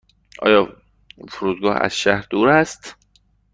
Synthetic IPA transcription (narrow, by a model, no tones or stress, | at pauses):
ʔɒ̰ːjɒː | foɾuːd̪̚ɡɒːhæ̰z̥ʃæhɾd̪uːɾæst̪